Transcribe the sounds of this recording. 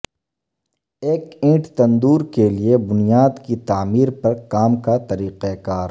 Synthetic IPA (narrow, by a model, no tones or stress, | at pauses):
eːkẽːʈt̪ɐ̃nd̪uːɾkeliebʊnijaːd̪kit̪aːmiːɾpɐɾkaːmkat̪ɐɾiːqekaːɾ